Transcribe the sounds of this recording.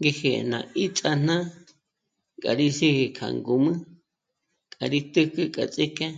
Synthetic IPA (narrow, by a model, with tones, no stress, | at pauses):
ŋɡe˧he˧˨nã̰˨i˦t͡sʼa˧n̥nã˦ | kʼa̰˨ɾi˦si˦hi˧kʰa̰˨ŋɡu˨mɨ̃˦ | kʼa˨ɾi˦t̪ɨ˦kɨ˦kʼa̰˨t͡sʼi˦kɛ̃˦